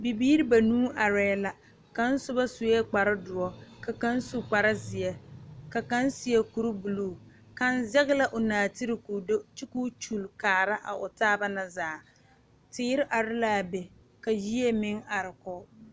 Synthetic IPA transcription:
bi˨biː˦ɾi˦ba˨nũː˦ʔa˨ɾɛː˦la˨ | ka˦n̩˦sʊ˦ba˦sʊ˨ɛ˦k͡pa˨ɾɪ˦dʊ˨ɔ˦ka˨ka˦n˦su˨k͡pa˨ɾɪ˦zɪ˨ɛ˨ka˨ka˦n˦si˨ɛ˦ku˨ɾʊ˦bu˨luː˨ | ka˦nzɛ˦ɣɪ˦la˦ʔʊ˨naː˨tɪ˦ɾɪ˨ku˨do˦t͡ʃi˦ku˦t͡ʃu˨lkaː˨ɾa˦ʔa̰˨ʔʊ˨taː˦ba˦na˨zaː˨˦˨ | tɪː˦ɾɪ˦ʔa˨ɾɪ˦la˦˨bɛ˨ | ka˨ji˦ɛ˦mɪ˦ŋa˨ɾɪ˨kɔ˦

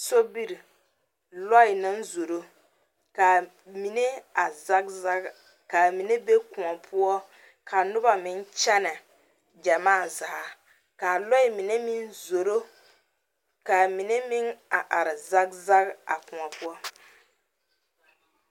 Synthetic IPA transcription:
so˦bi˦ɾi˨ | lɔ˦ɪ˨nɨ˦nzo˨ɾo˦ | ka˨ | mi˨ne˦a˨za˦ka˦ | ka˨mi˨ne˦be˦kʊ˨ŋa˨pʰʊ˦ɔ˦ | kʰa˨nʊ˦ba˨mɪ˦n˦t͡ʃɛ˦na˨ | d͡ʒa˨maː˦˨za˨ha˨ | ka˨lɔ˦ɪ˨mɪ˨ne˦mɪ˦nzo˨ɾo˦ | ka˨mi˨ne˦mɪ˦ŋa˨ʔa˨ɾɪ˨za˦k̚za˦ka̰˨kʊ˨ŋa˨pʊ˦ɔ˦

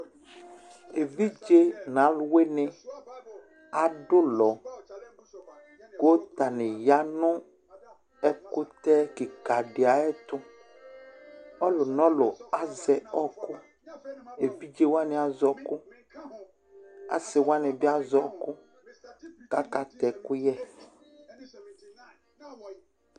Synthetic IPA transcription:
e˨vi˦d͡ʒe˦nã˨˦lʊ˦we˦nɪ˦ | a˨ɖʊ˦lɔ˨ | ɡo˦t̪a˨nɪ˨ja˨nʊ̃˦ | ɛ˦kʊ˦t̪ɛ˦kɪ˨ka˨ɖɪ˨a˨ɛ˦t̪ʊ˦ | ɔ˦lʊ˨nɔ̃˦lʊ˨a˨zɛ˨ɔ˦kʊ˦ | e˨fi˦d͡ʒe˦wa˦nɪ˨˦a˨zɔ˦kʊ˦ | a̰˨sɪ˨wa˦nɪ˨bɪ˦a˦zɔ˦kʊ˦ | ka˦ka˨t̪ɛ˨kʊ˦jɛ˦

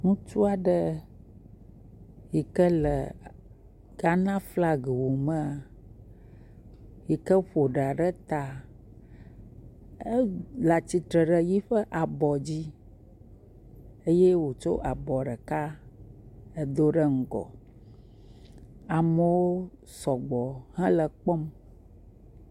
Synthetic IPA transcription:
nũ˦t͡ʃu˦a˨ɖə˦ | ji˨kə˦lə˨ | ɡ̥a˦nã˦fla˦ɡə˨wo˨mə̃˦a˨ | ji˨kə˦ɸo˨ɖa˨ɖə˦t̪a˨ | ə˦la˨t͡ɕi˨t̪ɾə˨ɖə˨ji˦ɸə˦ʔa˨bɔ˨d͡ʑi˦ | e˦je˦wo˨t͡ʃo̰˦ʔa˨bɔ˨ɖə˨ka˦ | ə˦d̪o˦ɖə˦ŋ̩˨ɡɔ̰˨ | a˨mə˨wo˦ | sɔ˨ɡ͡bɔ˨hɛ̃˦lə˨k͡pɔ˦m

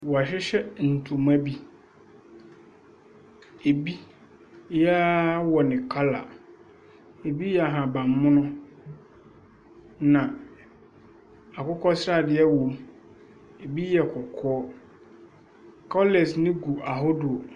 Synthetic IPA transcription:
wɔ˨a˨ɕɛ˦ɕɛ˦n̩˨tʰũ˨mã˦bi˦ | e˨bi˦ | jɛ˦a˦wɔ˨nɪ̃˨kʰa˦la̰˨ | e˨bi˦jɛ˨a˨ɦã˨bã˨mː˦ʊ̃˦nʊ̃˦ | nã˨ | a˨kʊ˦kʰɔ˦sɾa˦˨dɪ˨ɛ˦wo˨m | e˨bi˦jɛ˨kʰɔ˨kʰɔː˦ | kʰɔ˦lɛ˨snɪ̃˦ɡu˨ʔa˨ɦɔ˦du˨o˨

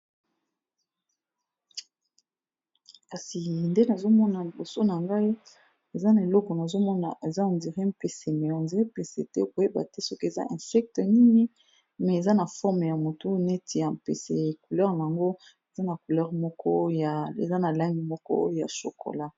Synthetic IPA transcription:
ka˨si˨nde˦na˨zo˦mɔ˦na˨li˨bo˨so˦na˨ŋɡa˦i˦ | e˨za˦na˨e˨lɔ˦kɔ˨na˨zo˦mɔ˦na̰˨ʔe˨za˦o˨ndi˨ʁi˦m˦pe˨se˨mɛ˨ɔ˨nzi˦e˦pe˨sḛ˨tɛ˦˨ko˨je˦ba̰˨tɛ˦sɔ˦ki˦e˨za̰˦ʔɛ̃˨sɛ˦k̚tə˨ni˦ŋi˦ | mɛ˨e˨za˦na˨fɔ˦ʁm˨ja˨mo˨tu˦ne˦ti˨ja˨mpḛ˨sḛ˨ku˨lɛ˦ʁna˨a˨ŋɡo˦ | e˨za˦na˨ku˨lɛ˦ʁmɔ˦kɔ˦a˨ḛ˨za˦na˨la˦ŋɡi˨mɔ˦kɔ̰˦ja̰˨so̰˨kʰo̰˨la˦

